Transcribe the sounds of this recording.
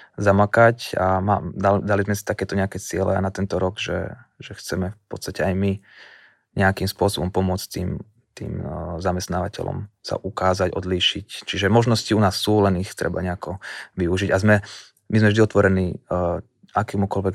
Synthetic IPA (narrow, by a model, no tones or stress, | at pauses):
zamakacamaːd̪ald̪alizmɛsi̥t̪akɛːt̪ɔɲɛakɛːt͡sɪɛlɛ̰a̰nat̪ɛnt̪ɔɾɔɡʒɛ̰ʒɛxt͡sɛmɛfpɔ̰t̪st̪acɛajmi | ɲɛakimspʊɔsɔbɔmpɔmʊɔt͡st̪ḭːm | t̪ḭːmzamɛst̪naːʋacɛ̰lɔ̰msa̰ʔukaːzaɟɔd̪liːʃict͡ʃiʒɛmɔʒnɔsciunaːsːuːlɛnixt̪ɾɛ̰ba̰ɲɛakɔʋiuʒiɟazmɛ | mizmɛvʒd̪iɔt̪ʋɔɾɛniː | akɛːmukɔlʋɛk